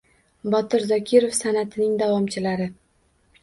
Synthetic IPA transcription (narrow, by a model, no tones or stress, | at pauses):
bɒt̪ʰɪɾzɒkʲʰɪɾofsanat̪ʰɪnɪŋd̪avɒmt͡ʃʰɪlaɾɪ